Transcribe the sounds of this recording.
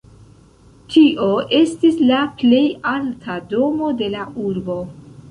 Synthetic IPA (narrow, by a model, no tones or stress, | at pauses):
tʰiʔo̞ʔe̞stislaple̞jaltʰado̞mo̞de̞laʔuɾbo̞